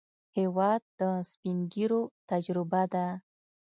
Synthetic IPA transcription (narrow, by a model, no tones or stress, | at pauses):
hewɑd̪̚ːəspiŋɡiɾot̪ad͡ʒɾɪbad̪a